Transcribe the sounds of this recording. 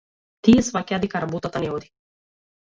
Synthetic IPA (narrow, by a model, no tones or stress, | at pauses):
t̪ijɛsvakʲad̪ikaɾabɔt̪at̪anɛɔd̪i